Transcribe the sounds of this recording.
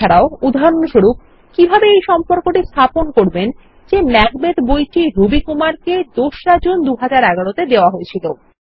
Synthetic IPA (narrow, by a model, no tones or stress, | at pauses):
ɛɾaoud̪ʱaɾonoʃuɾup̚ | kibʱabeejʃɔmpoɾkoʈist̪ʰaponkoɾben | d͡ʑemɛɡbed̪bojʈiɾubikumaɾked̪oʃɾad͡ʑond̪uɦad͡ʑaɾɛɡaɽot̪ed̪eoaɦoet͡ɕʰilo